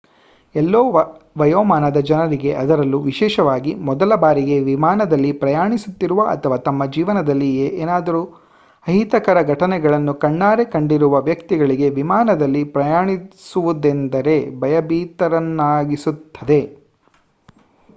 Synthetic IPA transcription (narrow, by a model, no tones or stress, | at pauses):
ɛlːoːʋɐjɔːmaːnɐd̪ɐd͡ʒɐnɐɾiɡe̞ʔɐd̪ɐɾɐlːuʋiʃɛːʃɐʋaːɡimɔd̪ɐlɐbaːɾiɡe̞ʋimaːnɐd̪ɐlːipɾɐjaːɳisut̪ːiɾuʋɐʔɐ̰t̪ʰɐʋaːt̪ɐmːɐd͡ʒiːʋɐnɐd̪ɐlːieʔeːnaːd̪ɐɾu | ɐɦit̪ɐkɐɾɐɡʱɐʈɐnɛɡɐɭɐnːukɐɳːaːɾekɐɳɖiɾuʋɐʋjɐkt̪iɡɐɭiɡe̞ʋimaːnɐd̪ɐlːipɾɐjaːɳisuʋud̪end̪ɐɾe̞bɐjɐbiːt̪ɐɾɐnːaːɡisut̪ʰːɐd̪e̞